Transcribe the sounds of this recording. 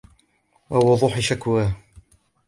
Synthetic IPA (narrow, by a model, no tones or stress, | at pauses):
wawɑdðˤuːħɪʃakwaː